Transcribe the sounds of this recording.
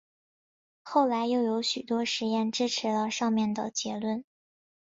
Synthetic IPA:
xo˥˩ʊla˧˥ɪjo˥˩ʊjo˧˥ʊɕy˨˩t̪wɔ˥ʂɻ̩˧˥jɛ˥˧nʈ͡ʂɻ̩˥ʈ͡ʂʰɻ̩˧˥lə˧ʂɑ˥˧ŋmjɛ˥˩nd̪ə̰˩t͡ɕjɛ˧˥lwə˥˩n

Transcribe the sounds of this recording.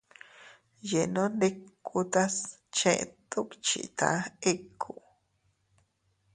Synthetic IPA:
je˨nõ˦nd̪e˦ku˧t̪a˦st͡ʃḛ̃˧ʔt̪u˦kt͡ʃḭ˨t̪a̰˨˦e˦kʰu˨

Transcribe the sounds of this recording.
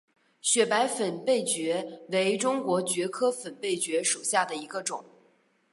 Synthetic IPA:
ɕɥɛ˨˩pa˧˥ɪfə˨˩npe˥˩ɪt͡ɕɥɛ˧˥we˧˥ɪʈ͡ʂʊ˥ŋkwɔ˧˥t͡ɕɥɛ˧˥kʰɤ˥fə˨˩npe˥˩ɪt͡ɕɥɛ˧˥ʂu˨˩ɕja˥˩d̪ə˩i˧˥ɡə˧ʈ͡ʂʊ˨˩˦ŋ

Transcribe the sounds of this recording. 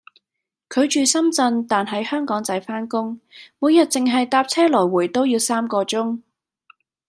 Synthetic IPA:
kʰɵ˨˧ɥt͡ʃyː˨sɐ˥mt͡sɐ˧nt̪aː˨nɦɐ˨˥jhœː˥ŋkɔː˨˥ŋt͡sɐ˨˥jfaː˥nkʊ˥ŋmuː˨˧jɐ˨t̚t͡sɪ˨ŋɦɐ˨jt̪aː˧p̚t͡sʰɛː˥lɔː˨˩jwuː˨˩jt̪o˥wjiː˨˧wsaː˥mkɔː˧t͡sʊ˥ŋ

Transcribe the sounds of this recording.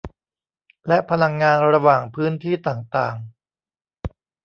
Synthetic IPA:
lɛ˦˥ʔpʰa˧la˧ŋːaː˧nɾa˧waː˨˩ŋpʰɯː˦˥nt̪ʰiː˥˩t̪aː˨˩ŋt̪aː˨˩ŋ

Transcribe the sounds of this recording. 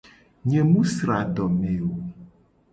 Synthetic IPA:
ɲẽ˨mũ˦sɾa˨ɖɔ˨mẽ˨o˨

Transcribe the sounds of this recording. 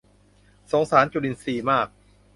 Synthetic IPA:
so˨˩˦ŋsaː˩˦˥nt͡ɕu˨˩ɾi˨˧˩nsiː˨˩maː˥˩k̚

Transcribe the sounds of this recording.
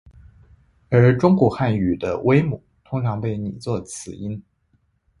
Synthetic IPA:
ə˞˧˥ʈ͡ʂʊ˥ŋkwɔ˨˥˩xa˥˩ny˨˩d̪ə̰˦wʔe˥ɪmu˨˩˦t̪ʰʊ˥ŋʈ͡ʂʰɑ˧˥ŋpe˥˩ɪni˨˩t͡swɔ˥˩t͡sʰɹ̩˨˩i˥n

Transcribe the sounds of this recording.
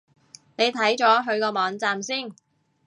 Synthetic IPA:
ne˨˧jt̪ʰɐ˨˥jt͡ʃɔː˨˥ɦɵ˨˧ɥkɔː˧mɔː˨˧ŋt͡saː˧msiː˥˩n

